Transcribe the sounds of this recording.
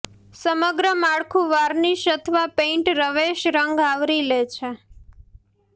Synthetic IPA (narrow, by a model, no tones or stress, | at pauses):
səməɡɾəmaɭkʰũʋaɾniʃət̪ʰʋapẽɳʈɾəʋeʃɾəŋɡaʋɾilet͡ʃʰe